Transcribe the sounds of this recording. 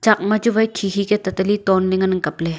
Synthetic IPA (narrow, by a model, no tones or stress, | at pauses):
t͡ʃɐk̚mɐd͡ʒuʋɐjkʰikʰiket̪ɐt̪əlit̪oːnlɪŋɐnŋkɐple